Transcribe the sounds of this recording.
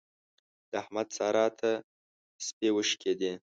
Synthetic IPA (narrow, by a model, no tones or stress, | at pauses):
d̪̥əahmad̪sɑːɾɑt̪ʰa | spewəʃkʲed̪i